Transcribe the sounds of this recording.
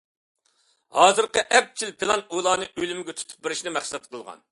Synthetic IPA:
hɑːzɨɾqəʔɛp̚t͡ʃʰilpʰelˠɑnulˠɑːnɨʔølymɪɡʲɛt̪ʰu̥t̪ʰu̥p̚beɾɪʃnɪmæχsɛt̪̚qʰəlˠʁɑ̰n

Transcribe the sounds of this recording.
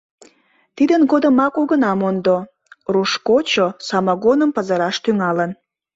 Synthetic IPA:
t̪id̪ənɡod̪əmɑkuɣənɑmond̪o | ruʃkot͡ɕosɑmɑɣonəmpəzəɾɑʃt̪yŋɑlən

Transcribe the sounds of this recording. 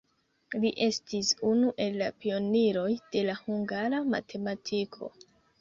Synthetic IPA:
liʔe̞stisunuʔe̞lːapio̞niɾo̞jd̥e̞lahuŋɡaɾama̰tʰe̞matʰikʰo̞̰

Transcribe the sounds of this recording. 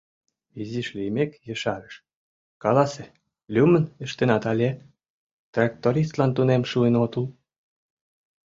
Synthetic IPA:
iziʃlimekjə̆ʃɑɾə̆ʃ | kɑlɑse | lʲumənəʃt̪enɑt̪ɑlʲeɑt̪ | t̪rɑk̚t̪oɾist̪lɑnt̪unemʃuenot̪ul

